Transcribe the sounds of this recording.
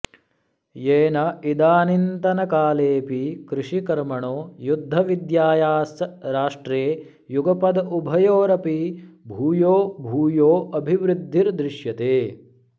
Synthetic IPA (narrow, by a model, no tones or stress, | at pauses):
jeːnɐid̪aːnint̪ɐnɐkaːleːpikɾuʃikɐɾmɐɳoːjud̪ʱːɐʋid̪jaːjaːsɾaːʂʈɾeː | juɡɐpɐd̪ɐubʱɐjoːɾɐpibʱuːjoːbʱuːjoːɐbʱiʋɾud̪ʱːiɾd̪ɾɪʃjɐt̪eː